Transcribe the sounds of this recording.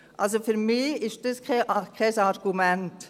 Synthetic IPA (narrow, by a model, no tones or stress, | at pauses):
ʔa̰ls̬ofyɾmiːɪʃd̥ɑskʰɛʔɑkʰɛsɑɾɡ̥umɛnt